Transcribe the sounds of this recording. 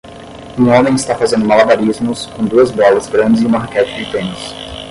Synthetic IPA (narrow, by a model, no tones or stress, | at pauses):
ũõmẽj̃ɪst̪afazẽnd̪ʊmalabaɾizmʊskõd̪uɐzbɔlɐzɡɾɐ̃nd͡ʒɪzĩũmaɾkɛt͡ʃɪ̥d͡ʒɪt̪ẽnɪs